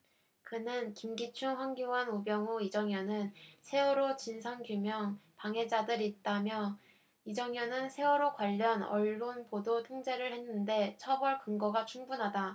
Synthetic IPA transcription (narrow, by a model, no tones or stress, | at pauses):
kɯnɯnkimɡit͡ɕʰuŋɸwaŋɡjowanubjʌŋuid͡ʑʌŋjʌnɯnsʰe̞ʌɾot͡ɕinsʰaŋkjumjʌŋpaŋɦe̞d͡ʑadɯɾit̚t͈amjʌ | id͡ʑʌŋjʌnɯnsʰe̞ʌɾokwaʎːʌnʌɭːonpodotʰoŋd͡ʑe̞ɾɯɭhe̞nːɯnde̞t͡ɕʰʌbʌɭkɯŋɡʌɡat͡ɕʰuŋbunɦada